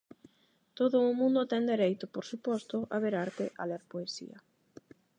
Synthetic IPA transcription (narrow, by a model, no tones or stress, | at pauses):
t̪oðʊːmũnd̪ʊt̪ɛnd̪eɾejt̪ʊpoɾsupɔst̪ʊʔaβeɾaɾt̪eʔa̰leɾpoesḭɐ̰